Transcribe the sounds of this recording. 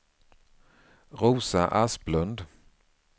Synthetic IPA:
ɾuːsaʔasblɵnd̪

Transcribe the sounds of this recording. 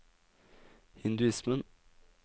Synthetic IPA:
hɪnd̪ʉɪsmən

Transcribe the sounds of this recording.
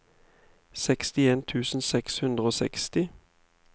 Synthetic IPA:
sɛkst̪ɪeːnt̪ʰʉːsn̩sɛkshʉnd̪ʁəoːsɛ̰kst̪ɪ

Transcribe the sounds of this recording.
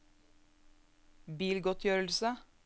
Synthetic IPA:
biːlɡɔt̪ʰjøːɾəl̩sə

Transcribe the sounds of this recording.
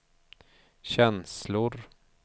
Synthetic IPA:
ɕɛnslʊɾ

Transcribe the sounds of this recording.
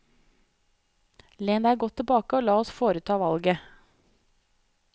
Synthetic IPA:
leːnæːɡɔt̪ʰːəbɑːkəoːlɑːɔsfoːɾət̪ʰɑːʋɑlɡə

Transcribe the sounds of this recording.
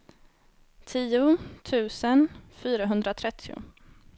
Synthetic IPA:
t̪ʰiːʊt̪ʰʉ̟ːsənfyːɾaɦɵnd̪ɾat̪ʰɾɛt̪ʰːɪʊ̰

